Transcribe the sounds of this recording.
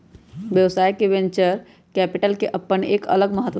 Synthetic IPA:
ʋjəʋsajkeʋẽnt͡ʃəɾ | kɛpiʈəlkeʔəpːəɳekə̰ləɡməɦət̪

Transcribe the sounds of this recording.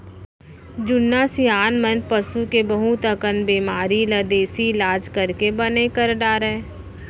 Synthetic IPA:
d͡ʒʊnːaːsijaːnmənpɐsukebəɦut̪əkənbiːmaːɾiləd̪eːsiɪlaːd͡ʒkɐɾkebɐnekəɾɖaːɾɛː

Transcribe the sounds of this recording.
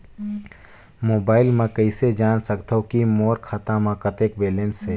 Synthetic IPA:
moːbaːɪlmãkəɪsed͡ʒaːnsəkt̪okimoːɾkʰaːt̪ãmãkət̪eːkbeːlẽnsɦeː

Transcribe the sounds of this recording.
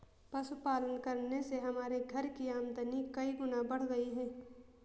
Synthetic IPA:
pɐsʊpaːlənkɐɾneseɦɐmaːɾeɡʱɐɾkiaːmd̪ənikɐiɡʊnabɐɽ̤ɡɐiɦɛː

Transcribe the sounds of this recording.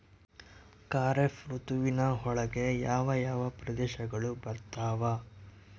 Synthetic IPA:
kaːɾefɾut̪uʋinɐɦɔɭɐɡe̞jaːʋɐjaːʋɐpɾɐd̪ɛːʃɐɡɐɭubɐɾt̪aːʋa

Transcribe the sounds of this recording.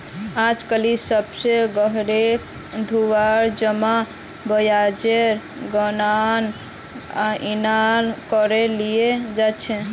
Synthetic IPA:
ad͡ʒkəlisəbseɡəɦɾek | d̪ʱuwaɾd͡ʒəma | bəjad͡ʒeɾ | ɡɔnan | aʔinankɔɾelijed͡ʒat͡ʃʰɛ

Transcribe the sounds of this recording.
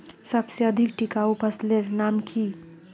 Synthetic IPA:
səbseəd̪ʱikʈikaupəsleɾnamkʰi

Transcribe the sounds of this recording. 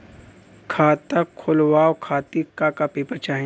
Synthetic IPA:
kʰaːt̪akʰːʊlwaːwkʰaːt̪ikakapeːpət͡ʃaːɦ

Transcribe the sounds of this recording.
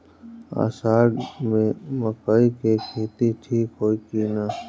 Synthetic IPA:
a̰ːsaːɖmẽʋəkaikekʰeːt̪iʈʰiːkoːikinaː

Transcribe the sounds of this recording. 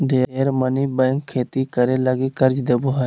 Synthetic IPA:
ɖʱeːeːɾmənibəːŋkʰːeːt̪ikəɾeləɡikəɾd͡ʒd̪ebuɦa

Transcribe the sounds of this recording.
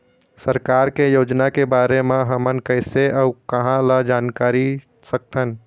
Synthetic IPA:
səɾkaɾkejod͡ʒnakebaɾemẽɦəmənkəɪseʔəukəɦãlad͡ʒaːnkaɾi | sək̚t̪ʰən

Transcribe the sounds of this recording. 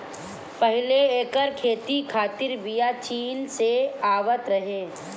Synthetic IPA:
pəɦɪleeːkəɾkʰeːt̪ikʰaːt̪ɪɾbijat͡ʃiːnseaːʋət̪ɾɐɦeː

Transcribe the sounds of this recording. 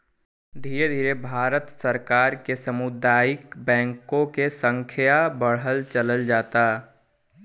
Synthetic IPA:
d̪ʱiːɾed̪ʱiːɾebʱaːɾət̪səɾkaːɾkesəmʊd̪aːjɪkbɛ̃ːŋkõkesə̃ŋkʰjabəɽɦəlt͡ʃələld͡ʒaːt̪a

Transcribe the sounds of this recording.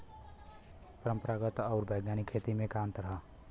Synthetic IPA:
pəɾəmpəɾaːɡət̪ɔʊɾbʱəjɡaːnikʰːeːt̪imẽkãːnt̪ɾəɦə

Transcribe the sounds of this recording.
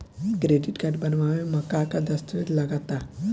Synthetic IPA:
kɾeɖiʈɡaʈbənʋaʋeməkakad̪əst̪uʋet̪laɡat̪a

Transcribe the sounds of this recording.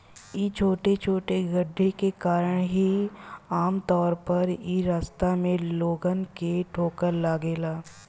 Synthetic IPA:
it͡ʃʰoːʈet͡ʃʰoːʈeɡəɖʱːekekaːɾəɽ̃ɦiaːmt̪ɔːɾpɐɾiɾaːst̪amẽloːɡənkeʈʰoːkəɾlaːɡeːlaː

